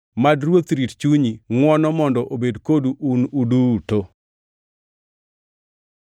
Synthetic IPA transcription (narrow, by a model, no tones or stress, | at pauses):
madɾwot̪ɾitt͡ʃuɲiŋwɔnɔmɔndɔʔobedkoduʔunuduto